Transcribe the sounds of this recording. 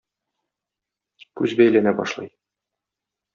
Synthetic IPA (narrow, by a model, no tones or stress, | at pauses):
kʉzbæjlænæbɒ̰ʃlˠɤ̰j